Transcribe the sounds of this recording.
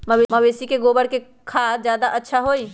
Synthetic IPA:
məbeməʋeːsikeɡoːbəɽke | kʰaːd͡ʒjaːd̪aʔətːʃʰaɦoːi

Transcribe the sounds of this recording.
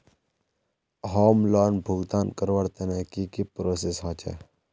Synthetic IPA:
ɦoːmlaːnbʱuɡd̪aːnkəɾʋəɽt̪eneːkikipɾoːsesɦãːt͡ʃḛː

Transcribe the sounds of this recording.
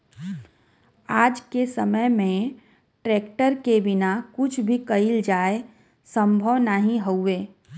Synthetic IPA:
aːd͡ʒkesəməjmẽ | ʈɾeːkʈəɾkebɪnakʊt͡ʃʰbʱikəɪld͡ʒaːe | sə̃mbʱəʋnaɦĩɦoueː

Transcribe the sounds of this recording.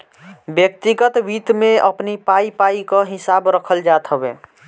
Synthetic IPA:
bjək̚t̪iɡət̪ʋit̪mẽʔəpnipaipaikaɦɪsabɾəkʰəld͡ʒat̪ɦəbḛ

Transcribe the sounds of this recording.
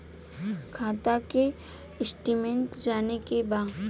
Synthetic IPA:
kʰaːt̪ake | ɪsʈimẽɳʈd͡ʒaːnekebaːd̪

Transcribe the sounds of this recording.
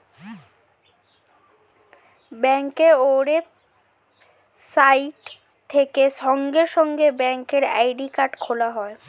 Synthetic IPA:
bɛŋkeoɾe | sajʈ | t̪ʰekeʃɔŋɡeɾʃɔŋɡebɛŋkeɾa̰jɖikaɾʈkʰolaɦɔe

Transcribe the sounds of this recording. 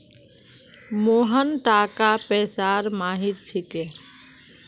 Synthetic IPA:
moɦənʈakapɛsaɾmaɦiɾt͡ʃʰike

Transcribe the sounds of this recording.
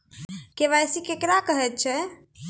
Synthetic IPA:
keʋajsikekɾakəɦɛt̪̚t͡ʃʰɛ

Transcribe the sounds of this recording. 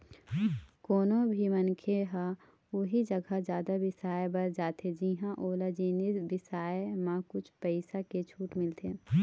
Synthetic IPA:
koːnõbʱimənkʰeɦa | ʊɦid͡ʒɐɡʱad͡ʒjaːd̪abɪsaːjebɐɾd͡ʒaːt̪ed͡ʒiɦãʔoːlad͡ʒiːnisbɪsaːemãkʊt͡ʃʰpəɪsaket͡ʃʰuːʈmɪlt̪ʰeː

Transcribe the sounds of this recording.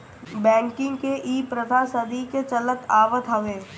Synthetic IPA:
bɛ̃ːŋkɪ̃ŋɡkeʔiːpɾəd̪ʱasəd̪iket͡ʃɐlək̪aːʋət̪ɦɐʋeː

